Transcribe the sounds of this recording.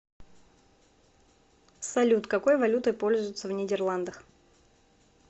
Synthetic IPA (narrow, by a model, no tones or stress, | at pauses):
sɐlʲut̪kɐko̞jvɐlʲut̪ɨpo̞lʲzʊjʊt̪səvnʲɪdʲɪrlˠand̪əx